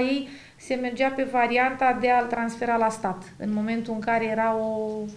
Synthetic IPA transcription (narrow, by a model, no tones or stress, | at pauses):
jej | se̞me̞rd͡ʒape̞vaɾiant̪ad̪e̞at̪ɾansfe̞ɾalast̪at̪ɨ̰nmo̞me̞nt̪uɨŋkaɾe̞je̞ɾao